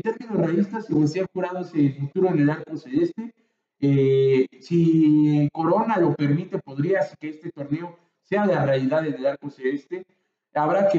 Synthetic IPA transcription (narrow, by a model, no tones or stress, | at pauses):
t̪e̞ɾmĩnozrealist̪aseðesexuɾað̞oeselfut̪uɾo̞enelaɾkoseðest̪e̞ | esiko̞ɾo̞nalo̞pe̞ɾmit̪e̞po̞ðɾiasi̥keest̪e̞t̪o̞ɾne̞o̞ | se̞aðelarealiðaðenelaɾkoseest̪e̞ | aβɾake